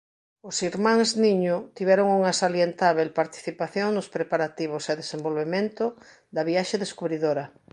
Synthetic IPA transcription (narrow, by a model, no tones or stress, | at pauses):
ʊsiɾmãŋznĩɲʊt̪iβɛɾoŋuŋasaljent̪aβelpaɾt̪i̥θipaθjoŋnʊspɾepaɾat̪iβ̞oseðesẽmbolβemẽnt̪ʊ | d̪aβiaʃeðeskuβɾiðoɾɐ